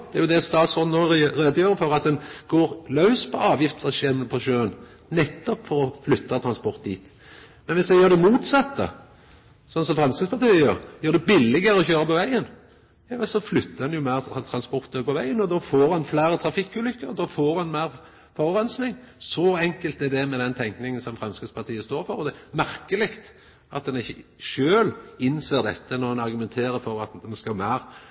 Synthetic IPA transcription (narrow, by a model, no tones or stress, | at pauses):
d̪ɛæɾjʊd̪ɛst̪ɑːt̪sɔnoːɾeːd̪əjøːɾəfɔɾɑt̪̚d̪ɛnɡ̥oːɾlɑʉspʰɔɑːʋjɪft̪sɔʃeːmpʰɔʃøːən | nɛt̪ːɔpfɔɾɔflʏt̪ːɑt̪ʰɾʁɑnspɔɾt̪̚d̪ḭːt̪ | mɛnʋɪsd̪ɛjøːd̪ɛmuːt̪sɑt̪ːə̰ | sɔnsɔmfɾɛmskspɑʁt̪ʰœjøɾjøːd̪ɛbɪlːɪɡəɾəɔçøːɾəpɔʋæɪən | jɑːʋɛsɔflʏt̪ːəɾdɛnjʊmæːɾt̪ʰɾɑnspɔɾt̪əpɔʋæɪənɔd̪ɔfoːɾɑnflæːɾət̪ʰɾɑfɪkːʉːlʏkːəɾd̪ɔːfoːɾɑnmæɪɾ | fɔʁɾœnsnɪŋsɔɛŋkəlt̪ɛd̪ɛmɛd̪ɛnt̪ʰɛŋknɪŋənsɔmfɾɛmskət̪spʰɑt̪ʰiːəst̪oːɾfɔɾɔd̪ɛmæɾkəlɪkt̪ | ɑt̪̚d̪ɛnɪçːəʃøːlɪnseːʁd̪ɛt̪ːənɔɾɑnɑɾɡʉmɛnt̪ʰeːɾəɾfɔɾɑt̪ɛnskɑlmæːɾ